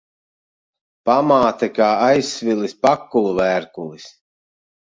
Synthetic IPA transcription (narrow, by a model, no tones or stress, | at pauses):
pamaːt̪ɛkaːajsːvilispakːulˠuvæːɾkulˠis